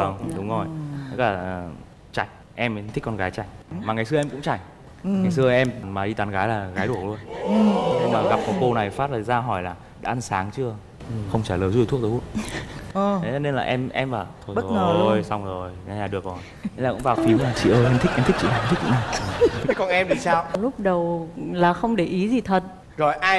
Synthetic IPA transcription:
ə˧˩ɗʊ˨˦ŋ͡mzo˨˩j̪a˦˥k̚laː˨˩˨ | t͡ɕa˧˩jŋ̟ | ʔɛ˧m˨t̪ʰi˦˥kːɔ˧nɣaː˨˦jt͡ɕa˧˩jŋmaː˨ŋa˨˩jsɨ˧ə˧ʔɛ˧mkʊ̰˧˥ŋ͡mt͡ɕa˧˩jŋ̟ | ŋa˨˩js̬ɨ˧əʔɛ˧m˨maː˨˩ɗi˧t̪aː˨˦nɣaː˨˦jlaː˨˩ɣaː˨˦jɗu˧˩əklu˧ən˨˦ɲɨ˧ŋmaː˨˩ɣa˨˩p̚kɔ˨˩ko˧na˨˩jfaː˦˥t̚laː˨˩zaː˧ɦɔ˧˩jlaː˨˩ | ɗa̰ː˧˥ʔa˧nsaː˨˦ŋt͡ɕɨ˧ə˨ | xə˧wŋ͡mt͡ɕaː˧˩ləː˨˩zu˧˩˨t̪ʰk̪̚ə˨˦˥ | e˨˦˧ne˧nlaː˨˩ʔɛ˧mʔɛ˧mvaː˨˩t̪ʰo˧˩˦əː˨˩˧jsa˧wŋ͡mzo˨˩jaː˨˩ɗɨ˨˩ək̚vɔ˨˩˧ | mlaː˨˩kʊ̰˧˥vaː˨˩fi˨˦wmaː˨˩t͡ɕḭ˧˨ʔəː˧jʔɛ˧mt̪ʰi˦˥ʔɛ˧mt̪i˦˥k̚t͡ɕḭ˧˨na˨˩˨mt̪ʰk̚zḭ˧˥˦na˨˧˩kɔ˨˩nʔɛ˧mɗi˨˩saː˧wlʊ˦˥k͡p̚ɗə˨˩wlaː˨˩xə˧wŋ͡mɗe˧˩ʔi˨˦zi˨˩t̪ʰə˨˩t̚ | zo˨˩jʔaː˧j

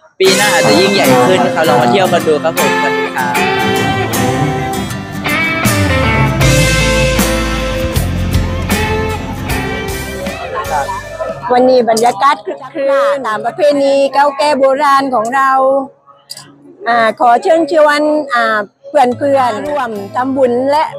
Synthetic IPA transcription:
piː˧naː˧˩a˨ti˧˩ji˧˩˨ŋja˨˩jʰɯː˧˩˨kʰa˦˥˩la˧˩ɔ˧˩t̪ʰi˧˩əwka˧nduː˧kʰa˧˦˥p̚ʰo˨˦mkʰa˦˥p̚ːkʰa˦˧˩ | wa˧nːiː˧˩ba˨njaː˧ka˧˦˥t̪̚kʰkʰɯ˧t̪aː˨˦mpa˧pʰeː˧˥˨niː˧ka˧˥˩wkɛː˧˩boː˧˦ɾaː˧nkʰɔː˨˩˦ŋɾa˧w | ʔaː˧˩kʰɔː˨˦t͡ɕʰɯ˧˥˨ŋt͡ɕʰo˧ənʔaː˧˩pʰɯ˧˩ənpʰɯ˧ənlu˧˩əmt̪ʰa˧˨mbu˧˩˨nlɛ˧˥ʔ

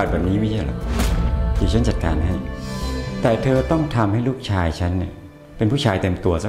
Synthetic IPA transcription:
t̚bɛː˨˩niː˦˥ma˥˩t͡ɕʰa˥˩lɔ̰˨˩k̚ | t̪ʰiː˨˩t͡ɕʰa˦˥nt͡ɕa˨˩t̪̚ka̰ː˧nɦa˥˩j | t̪ɛː˨˩t̪ʰɤː˧t̪ɔ˥˩ŋt̪ʰa˧mha˥˩jluː˥˩k̚t͡ɕʰaː˧jt͡ɕʰa˦˥nːi˥˩ɐ | pe˧npʰu˥˩t͡ɕʰaː˧jt̪e˧mt̪u˧ɐsa˥

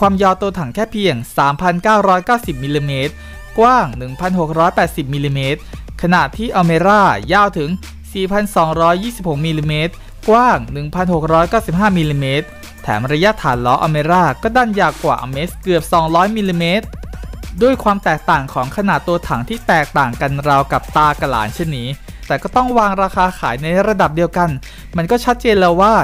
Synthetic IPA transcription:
kʰwaː˧mjaː˧t̪u˧t̪ʰa˩˦ŋkʰɛː˥˩pʰi˧əŋsaː˩˦mpʰa˧nkaː˥˩wɾɔː˦˥jkaː˥˩wsi˨˩p̚mi˧liː˧meː˦˥t̪̚ | kwaː˥˩ŋnɯ˨˩ŋpʰa˧nɦo˨˩k̚ɾɔː˦˥jpɛː˨˩t̪̚si˨˩p̚mi˧liː˧meː˦˥t̪̚kʰa˧na˨˩t̪ʰiː˥˩ʔa˧wmeː˧ɾaː˥˩jaː˥˩wt̪ʰɯ˩˦ŋ | siː˨˩pʰa˧nsɔː˩˦ŋɾɔː˦˥jːiː˥˩si˨˩p̚ho˩k̚miː˧liː˧meː˦˥t̪̚ | kwaː˥˩ŋnɯ˨˩ŋpʰa˧nho˨˩k̚ɾɔː˦˥jkaː˥˩wsi˨˩p̚ɦaː˥˩mi˧liː˧meː˦˥t̪̚ʰː | ɛ̰ː˩˦mɾa˧ja˦˥ʔt̪ʰaː˩˦nlɔː˦˥ʔa˧wmeː˧ɾaː˥˩kɔː˥˩daː˥˩njaː˧wkwaː˨˩ʔa̰˧meː˦˥skɯ˨˩əp̚sɔː˩˦ŋɾɔː˦˥jmiː˧liː˧meː˦˥t̪̚du˥˩əjkʰwaː˧mt̪ɛː˨˩k̚t̪aː˨˩ŋkʰɔː˩˦ŋkʰa˧na˨˩ʔt̪u˧ɐt̪ʰa˩˦ŋt̪ʰiː˥˩t̪ɛː˨˩k̚t̪aː˨˩ŋka˧nɾa˧wka˨˩p̚t̪aː˧ka˧la̰ː˩˦nt͡ɕʰɛ˥˩ənːiː˦˥ | t̪ɛː˨˩kɔː˥˩t̪ɔ˥˩ŋwaː˧ŋɾaː˧xaː˧kʰaː˩˦jna˧jɾa˧da˨˩p̚di˧əwka˧n | ma˧nkɔː˥˩t͡ɕʰa˦˥t̪̚t͡ɕeː˧nlɛː˦˥waː˥˩

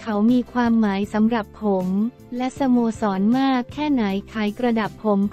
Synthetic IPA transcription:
kʰa˦˥wmiː˧kʰwaː˧mːaː˩˦jsa˩˦mɾa˨˩pʰːo˩˦m | lɛ˦˥ʔsa˧moː˧sɔː˩˦nmaː˥˩kʰːɛː˥˩na˩˦jkʰaː˩˦jkɾa˧da˨˩pʰːo˨˩˦m

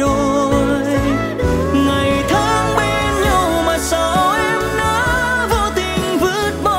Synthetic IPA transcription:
o˨˩jj | ŋa˨˩jt̪ʰa˨˧˦ŋɓe˧nɲa˧wmaː˨˩sə˧˦wʔɛ˧mnaː˧˦ | voː˧˩t̪ï˨˩ŋ̟vɨ˦˥t̚ɓɔ˧

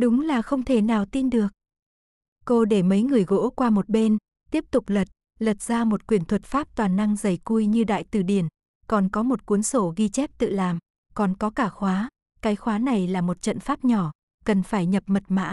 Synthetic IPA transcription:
ɗʊ˨˦ŋ͡mlaː˨˩xə˧wŋ͡mt̪ʰe˧˩naː˨˩wt̪i˧nɗɨ˨˩ək̚ | ko˧ɗe˧˩mə˨˦jŋɨ˨˩əjɣo̰˧˥kwaː˧mo˨˩t̚ɓe˧n | t̪i˦˥əp̚t̪ʊ˨˩k͡p̚lə˨˩t̚ | lə˨˩t̚z̥aː˧mo˨˩t̚kwi˧˩ənt̪ʰwə˨˩t̚faː˦˥p̚t̪waː˨˩na˧ŋzə˨˩jku˧jɲɨ˧ɗa̰ː˧˨jt̪ɨ˧˩ɗi˧˩ən | kɔ˨˩nkɔ˨˦mo˨˩t̚ku˨˦ənso˧˩ɣi˧t͡ɕɛ˦˥p̚t̪ɨ̰˧˨laː˨˩m | kɔ˨˩nkɔ˨˦kaː˧˩xwaː˨˦ | kaː˨˦jxwaː˨˦na˨˩jlaː˨˩mo˨˩t̚t͡ɕə̰˧˨nfaː˦˥p̚ɲɔ˧˩ | kə˨˩nfaː˧˩jɲə˨˩p̚mə˨˩t̚ma̰ː˧˥

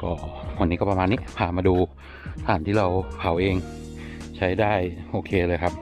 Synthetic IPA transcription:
kɔː˥˩kʰu˧niː˦˥kɔː˥˩pa˧maː˧nːi˦˥pʰaː˧˩maː˧duː˧ | t̪ʰaː˨˩˦nt̪ʰiː˥˩ɾa˧wpʰa˨˩˦wʔeː˧ŋ | t͡ɕʰa˦˥jdaː˥˩jʔoː˧kʰeː˧lɤː˧jkʰa˦˥p̚

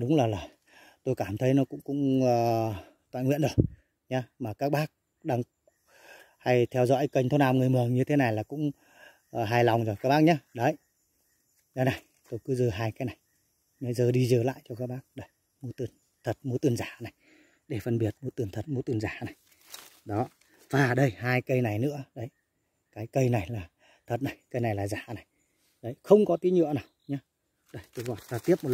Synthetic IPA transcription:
ɗʊ˨˦wŋ͡mlaː˨˩laː˨˩ | t̪o˧jkaː˧˩mt̪ʰə˨˦jnɔ˨˦kʊ̰˧˥ŋ͡mkʊ̰˧˥ŋ͡məː˨˩ | t̪wa̰ː˧˨nŋwḭ˧˨nɗk | ɲa˨˦maː˨˩kaː˦˥k̚ɓaː˦˥k̚ | ɗaː˧ŋ | ha˧jt̪ʰɛ˧wzɔ̰˧˥jkə˧jŋ̟t̪o˧˦naː˧wŋ˨˩əjmɨ˨˩əŋɲɨ˧t̪ʰe˨˦na˨˩jlaː˨˩kʊ̰˧˥ŋ͡m | ɦaː˧jla˨˩wŋ͡mzjkaː˦˥k̚ɓaː˦˥k̚ɲa˨˦ɗə˨˦j | ɗə˨˦na˨˩j | t̪o˧jkɨ˨˦zɨ˧˩ɦaː˧jkaː˨˦jna˨˩j | mə˨˦jzəː˨˩ɗi˧zəː˨˩la̰ː˧˨jt͡ɕɔ˧kaː˦˥k̚ɓaː˦˥k̚ɗə˧˩j | mu˨˦t̪ɨ˨˧˩ən | t̪ʰə˨˩t̚mu˨˦t̪ɨ˨˧˩ənzaː˧˩˨na˨˩j | ɗe˧˩fə˧nɓi˨˩ət̚m˨˦t̪ɨ˨˩nt̪ʰə˨˩t̚mu˨˦t̪ɨ˨˧˩ənzaː˧˩˨na˨˩j | ɗɔ˨˦ | vaː˨˩ɗə˧jhaː˧jkə˧jna˨˩jnɨ̰˧˥əɗə˨˦j | kaː˨˦jkə˧jna˨˩jlaː˨˩ | t̪ʰə˨˩t̚na˨˩jkə˧jna˨˩jlaː˨˩zaː˧˩˦na˨˩j | ɗə˨˦jxə˧wŋ͡mkɔ˨˦t̪i˨˦ɲɨ̰˧˨əwnaː˨˩wɲa˨˦ | ɗə˨˧˦jt̪o˨˧˦vɔ̰˧˩zaː˧˩t̪i˦˥əp̚mo˨˩t

